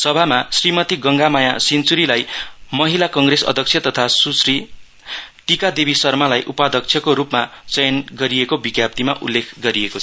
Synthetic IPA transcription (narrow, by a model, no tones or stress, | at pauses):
sʌbʱamasrimʌt̪iɡʌŋɡamajasint͡suɾilajmʌɦilakʌŋɡresʌ̰d̪ʱʌk̚t͡sʰjʌt̪ʌt̪ʰasusri | ʈikad̪ebisʌrmalajʔupad̪ʌk̚t͡sʰjʌkoɾupmat͡sʌjʌnɡʌɾiekobiɡjap̚t̪ima̰ʔulːekʰɡʌɾiekot͡sʰʌ